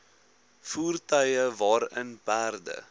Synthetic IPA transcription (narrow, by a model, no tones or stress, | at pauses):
fuːrtœjəvɑːɾə̰nbæːrdə̰